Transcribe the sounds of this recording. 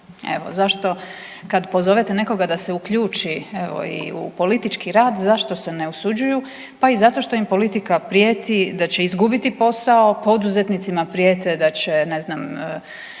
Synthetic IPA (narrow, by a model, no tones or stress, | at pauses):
e̞̰ʋo̞̰zaʃt̪o̞ | kad̪po̞zo̞ʋet̪ene̞ko̞ɡad̪ase̞ukʎuːt͡ʃieʋo̰ḭṵpo̞lit̪it͡ʃkiɾaːd̪zaʃt̪o̞se̞ne̞usud͡ʑuju | paizat̪o̞ʃt̪o̞impo̞lit̪ikapɾjet̪id̪at͡ɕe̞izɡubit̪ipo̞sao̞po̞d̪uze̞t̪nit̪simapɾijeːt̪ed̪at͡ɕe̞ne̞znamː